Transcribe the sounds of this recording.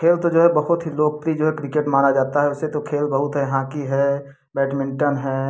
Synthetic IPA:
kʰeːlt̪od͡ʒoːɦɛbəɦʊt̪ɦiloːɡ̚plid͡ʒoːɦɛkɾɪkeʈmaːɾad͡ʒaːt̪aɦɛʊsːet̪okʰeːlbəɦʊt̪ɦɛjɦãkiɦɛ | bɛːʈmɪ̃ɳʈənɦɛː

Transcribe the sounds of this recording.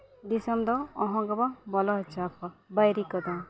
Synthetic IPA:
ɖisɔmd̪ɔːɦɔ̃ɡɔbabɔlɔɦt͡ʃapʰabajɾikɔd̪ɔ̃

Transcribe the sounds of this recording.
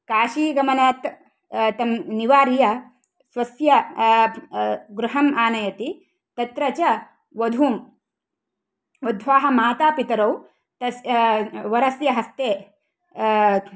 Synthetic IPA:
kaːʃiːɡɐmɐnaːt̪ | t̪ɐmniʋaːɾjɐ | sʋɐsjɐ | ɡɾuɦɐmaːnɐjɐt̪i | t̪ɐt̪ɾɐt͡ʃɐ | ʋɐd̪ʱuːm | ɐd̪ʱʋaːɦɐ̆maːt̪aːpit̪ɐɾɐw | t̪ɐsʋɐɾɐsjɐɦɐst̪eː

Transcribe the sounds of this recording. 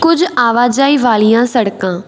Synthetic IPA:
kʊd͡ʒaːʋaːd͡ʒaːiːʋaːlɪjãːsəɽkãː

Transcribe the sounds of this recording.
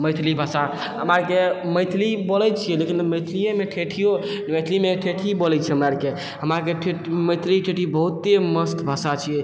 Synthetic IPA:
məjt̪ʰlibʱasa | ɦəmaɾkeməjt̪ʰlibolɛt͡ʃʰijɛlekinməjt̪ʰlijẽmeʈʰeʈʰijo | məjt̪ʰlimeʈʰeʈʰibolɛt͡ʃʰɛɦəmɾaɾke | ɦəmaɾkeʈʰeməjt̪ʰliʈʰeʈʰibəɦut̪ːeməsk̪bʱasat͡ʃʰijɛ

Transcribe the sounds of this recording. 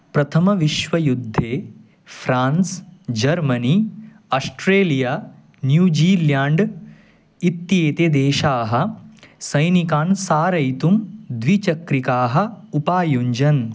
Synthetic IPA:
pɾɐt̪ʰɐmɐʋiʃʋɐjud̪ʱːeː | fʰɾaːnsd͡ʒɐɾmɐni | ɐsʈɾeːlijaː | njuːd͡ʒiːljaːɳɖ | it̪jeːt̪ed̪eːʃaːɦɐ̆sɐjnikaːnsaːɾɐjt̪umd̪ʋit͡ʃɐkɾikaːɦɐ̆upaːjuɲd͡ʒɐn

